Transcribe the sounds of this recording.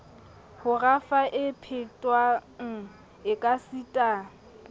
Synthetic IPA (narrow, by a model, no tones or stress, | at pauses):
hʊrafaʔɪpʰɪtʼwaŋ̩ | ɪkʼasitʼaː